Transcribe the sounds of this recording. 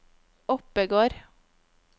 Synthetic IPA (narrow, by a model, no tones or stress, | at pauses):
ɔpəɡoːɾ